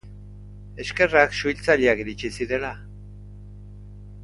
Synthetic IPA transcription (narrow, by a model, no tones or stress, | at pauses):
e̞ske̞raksuilt͡saʎeakiɾit͡ʃisiɾe̞la